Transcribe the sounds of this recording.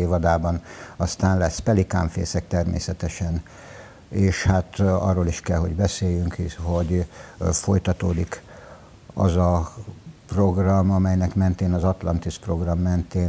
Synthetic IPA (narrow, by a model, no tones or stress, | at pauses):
eːvɒd̪aːbɒnɒst̪aːnlɛspɛlika̰ːɱfḛːsɛk̚t̪ɛrmḛːsɛt̪ɛʃɛn | eːʃhat̪ɒ̰rːoːliʃkɛlɦo̞ɟbɛseːjːyŋkho̞ɟfo̞jt̪ɒt̪oːd̪ik | ɒ̰zɒ | pro̞ɡrɒmɒmɛjnɛkmɛnt̪eːnɒzɒt̪lɒnt̪ispro̞ɡrɒmːɛnt̪eː